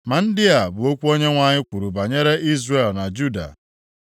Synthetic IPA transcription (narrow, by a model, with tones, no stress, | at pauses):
ma˨n̩˦dɪ˦a˨bʊ˨o˦kʷu˦o˦ɲe˦ŋʷa˨ɲɪ˦kʷu˨ɾu˨ba˨ɲe˦ɾe˦ʔi˦zre˨lna˨d͡ʒu˦da̰˨